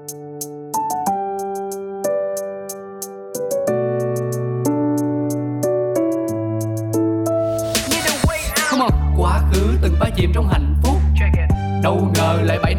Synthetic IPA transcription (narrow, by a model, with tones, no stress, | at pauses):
ɲɨ˧˦ɗə˨˩wjxə˧wŋ͡mʔa˨˩kwaː˨˦xɨ˨˦t̪ɨ˨˩ŋfaː˧˦zḭ˧˨˩mt͡ɕɔ˧wŋ͡mɦa̰˧˨jŋ̟fʊ˦˥k͡p̚t͡ɕɔ˧˩kː | ɗə˨˩wzəː˨˩jla̰ː˧˨jɓa˧˩j